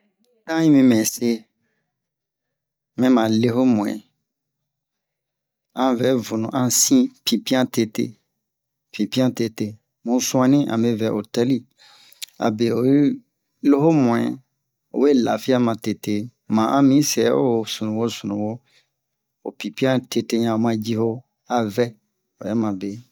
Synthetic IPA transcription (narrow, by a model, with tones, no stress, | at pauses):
tã˦ĩ˦mĩ˧mɛ̃˨se˦ | mɛ̃˦mã˨le˦ho˦mũ˨ɛ̰̃˨ | ã˦vɛ˨˦vu˨nṵ̃˨ʔã˦sĩ˦pĩ˨pi˦ã˦te˦tḛ˦ | pĩ˨pĩ˦ã˦te˨te˦ | mũ˨˦sũ˦ã˦nĩ˦ʔã̰˨me˨˦vɛ˨˦ʔo˨tɛ˦li˦ | a̰˨be˨o˨i˦ | lo˦ho˦mũ˨ɛ̰˨ | o̰˨we˦˨la˨fi˦a˦mã˨te˨te˦mã˨ʔã˦mĩ˦sɛ˨˦o̰˦˨sũ˨nũ˨wo˦su˨nũ˨wo˦ | o̰˨pi˨pĩ˦ã˦tʰe˦te˦ɲã˨o˨mã˨d͡ʒi˦ho˦ | a˨vɛ˦ | o̰˨jɛ˦mã˨be˨